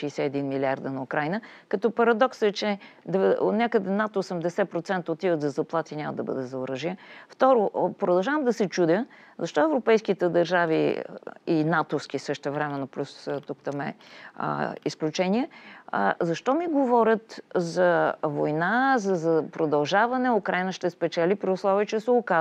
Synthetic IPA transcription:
ʃɛjsɛɛd̪inmilʲiaɾd̪ənɐukɾajnəkɐt̪ɔpɐɾɐd̪ɔksɛt͡ʃɛd̪ɛ̰nʲakəd̪ɛnat̪oːsɛmd̪ɛsɛpɾot̪sɛnt̪əot̪ivət̪zɐzɐplˠat̪inʲamə̰d̪ɐbɤ̰d̪ɛzɐʊɾəʒiəft̪ɔɾʊpɾod̪ɐlˠʒavəmd̪ɐsɛt͡ʃud̪ʲə | zɐʃt̪ɔɛvɾopɛjskit̪ɛd̪ɐɾʒavḭ | inat̪ʊfsk̟isɤʃt̪ɛvɾɛmɛnːoplʲust̪ukt̪əmɛ̰ə̰isklʲut͡ʃɛnʲiɛ̰ | zɐʃt̪ɔmiɡovɔɾʲət̪zɐvojnazɐzɐpɾod̪ɐlˠʒavɐnɛʊkɾajnəʃt̪ɛspɛt͡ʃɛlʲipɾiʊslˠɔviət͡ʃɛsɛʊka

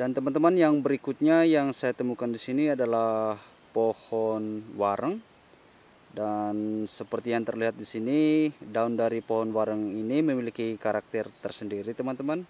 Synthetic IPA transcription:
dant̪əmant̪əmanjaŋbəɾikut̪̚ɲajaŋsajat̪əmukandisiniadalah | pohɔnwaɾəŋ | dansəpərt̪ijaŋt̪ərliɦat̪̚disinidaundaɾipoɦɔnwaɾəŋiniməmilikikaɾak̚t̪ərt̪ərsəndiɾit̪əmant̪əman

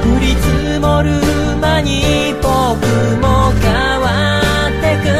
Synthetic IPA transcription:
ɯɾit͡sɨ | moɾɯ | maɲi | po | kɯ | moka | wa | t̪ːekɯ

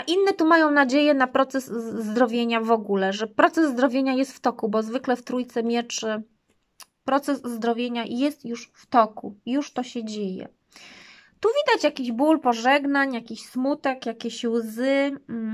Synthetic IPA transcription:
ʔinːɛt̪umajɔ̃w̃nad͡ʑejɛnapɾɔt̪sɛsːd̪ɾɔvʲjeɲavɔɡulɛʐɛpɾɔt̪sɛzːd̪ɾɔvʲjeɲajɛst̪ft̪ɔkubɔzvɘklɛft̪ɾujt̪sɛmʲjɛt͡ʂɘ | pɾɔt̪sɛzzd̪ɾɔvʲjeɲajɛst̪juʂft̪ɔkṵjuʂt̪ɔɕɛd͡ʑejɛ̰ | t̪uvʲid̪at͡ɕjakʲiʑbulpɔʐɛɡnaɲjakʲiɕsmut̪ɛkjakʲeɕwzɘ

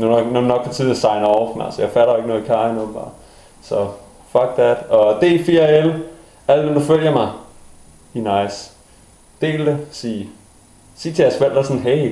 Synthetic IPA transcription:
nuɡnɔunɒɡ̥pʰɒt͡sʰið̞ˠnsɑ̈ɪnɒʊɐfmæ̰lsəjɑ̈ɪfæɾɐeɡənɔ̽ːðˠikʰɑjənob̥ɑ̰̈ː | sɒ | fɒɡ̥̚ðæd̥ɒd̥e̝ːfiːel | æl̰dʋend̥uføl̰jɐmɑ̈ɪ | hinɑɪs | d̥e̝̰ːld̥esḭː | sḭːt͡sʰejæɐsʋel̰d̥æɐsɔnɦeɪ

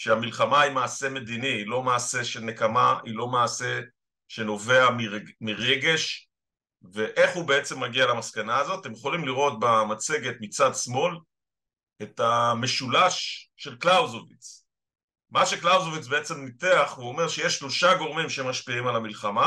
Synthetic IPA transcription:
ʃeamilχamaimaːse̞me̞d̪iniilo̞maːse̞ʃenekamailo̞maːse̞ | ʃe̞no̞ve̞amimiʁe̞ɡe̞ʃ | ve̞ʔe̞χhubeet͡se̞mːaɡialamaskanaːzo̞tat̪emjeχo̞limliʁo̞t̪̚bamat͡se̞ɡe̞t̪mit͡sadsmo̞l | e̞tame̞ʃulaʃːe̞lklawzovit͡s | maʃe̞klawzovit͡sbeet͡se̞mnit̪eaχveuome̞ʁʃejeʃʃlo̞ʃaɡo̞ʁmimʃeemːaʃpiimalamilχama

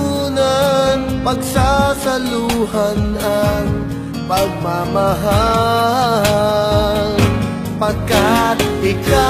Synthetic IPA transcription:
unanpɐɡsasɐluhanaŋ | pɐɡ̚mamɐɦa | pɐkat̪̚hɪka

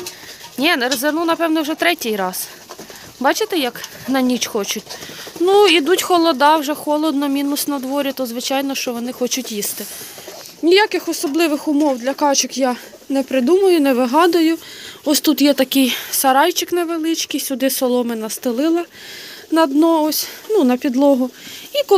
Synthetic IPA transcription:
nʲɛnɛɾzenunɐpɛwnɛwʒɛt̪ɾɛtʲijɾɑs | bɑt͡ʃɪt̪ɛjɐknɐnʲit͡ʃxɔt͡ʃʊtʲnuid̪utʲxɔlˠɔd̪ɑwʒɛxɔlˠɔd̪nɔmʲinʊsʲnɐd̪ʋɔɾʲit̪ɔzʋɪt͡ʃɑjnɔʃt͡ʃɔʋɔnɪxɔt͡ʃʊtʲjist̪ɪ | nʲijakɪxɔsɔblˠɪʋɪxʊmɔwd̪ʲlʲɐkɑt͡ʃɪkjɑ | nɛpɾɪd̪umɐjʊnɛʋɪɦɑd̪ʊjʊɔsʲt̪ut̪jɛt̪ɐkɪjsɐɾɑjt͡ʃɪknɛʋelˠɪt͡ʃkijsʲʊd̪ɪsɔlˠɔmɪnɐst̪ɪlˠɪlˠɐ | nɐd̪nɔɔsʲnunɐpʲid̪lˠɔɦʊik

